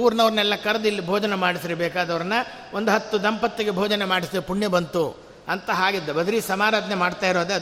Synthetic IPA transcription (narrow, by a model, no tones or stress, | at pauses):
uːɾnɐʋɾɐnɛlːɐkɐɾɐd̪ilːibʱoːd͡ʒɐnemaːɽisɾebɛːkaːd̪ɐʋɐɾɐnːɐ | ʔond̪uɦɐt̪ːud̪ɐmpɐt̪ːiɡebʱɔːd͡ʒɐnemaːɽisd̪epuɳːjebɐnt̪u | ɐnt̪ɐɦaːɡid̪ːɐbɐd̪ɾisɐmaːɾaːd̪ɐnemaːɖt̪aːiɾoːd̪e